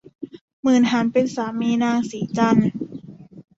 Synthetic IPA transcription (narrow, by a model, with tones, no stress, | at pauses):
mɯː˨˩nɦaː˩˦npe˧nsaː˩˦miː˧˨naː˧˩ŋsiː˩˦t͡ɕa˧˥˩n